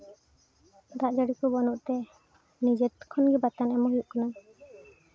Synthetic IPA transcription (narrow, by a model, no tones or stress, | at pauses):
d̪aʔd͡ʒaɽikɔbɔnɔʔt̪ɛ | nid͡ʒɛt̪kʰɔnɡɛbat̪anɛmɔɦjuʔkana